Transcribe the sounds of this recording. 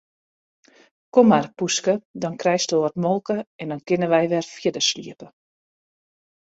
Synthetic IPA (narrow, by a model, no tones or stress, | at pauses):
komarpuskədɔnkrɛjstəətmɔlˠkəɛndɔnkɪnəʋɛjʋɛrfjɪdəslḭəpə